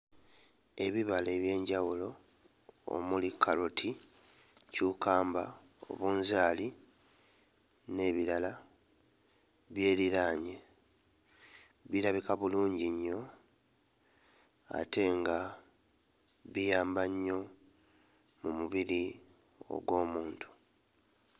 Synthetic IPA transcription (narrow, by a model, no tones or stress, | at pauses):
e̞βiβale̞βje̞ːɲɟawulo̞ | o̰mulikʰːalotʰi | cukaːmba̰ | o̞̰βuːnzaːli | ne̞βiɾala | βje̞ːliɾaːɲe̞ | βiɾaβikaβuluːɲɟiɲːo̞ | a̰te̞ŋɡa | βijaːmbaɲːo̞ | mumuβiɾi | o̞̰ɡwo̞ːmuːntʰu̥